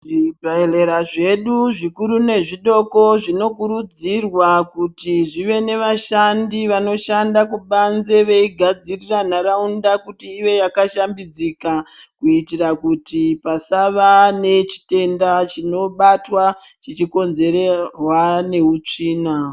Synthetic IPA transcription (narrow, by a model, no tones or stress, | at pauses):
ʐibaele̞ɾaʐe̞ɗuʐikuɾune̞ʐiɗo̞ko̞ʐino̞kuɾud͡zirwakutiʐiʋe̞ne̞ʋaʃandiʋano̞ʃandakuɓanze̞ʋe̞iɡʱad͡ziriran̤aɾaundakutiːje̞jakaʃambid͡zikakuitirakutipasaʋane̞t͡ʃi̥te̞ndat͡ʃino̞ɓatwa | t͡ʃit͡ʃiko̞nze̞ɾerwane̞ut͡ʂiːna